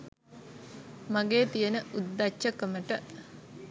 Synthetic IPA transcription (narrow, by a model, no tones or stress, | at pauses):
maɡeːt̪ijənəʔud̪ːat͡ʃːəkəməʈə